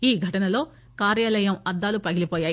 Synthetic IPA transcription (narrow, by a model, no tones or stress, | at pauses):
iːɡʱɐʈɐnɐlo̞ː | kaːɾjaːlɐjɐmɐd̪ːaːlupɐɡilipoːjaːj